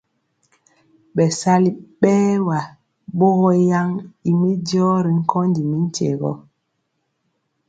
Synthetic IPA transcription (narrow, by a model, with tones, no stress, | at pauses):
ɓɛ˨sa˦li˦ɓɛː˦wa˨ | bo˦ɣɔ˦ja˦ŋi˨mi˦djɔ˦ɾi˨ŋ̩˦kɔ˦ndi˨mi˦n̩˦tḛ˨ɣɔ̰˦